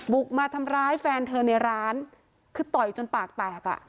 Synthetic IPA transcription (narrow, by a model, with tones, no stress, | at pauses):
bu˨˩k̚maː˧t̪ʰa˧mɾaː˦˥jfɛː˧nt̪ʰɤː˧na˧jɾaː˦˥n | kʰɯː˧t̪ɔ˨˩jt͡ɕo˧npaː˨˩k̚t̪ɛː˨˩k̚a̰˨˩ʔ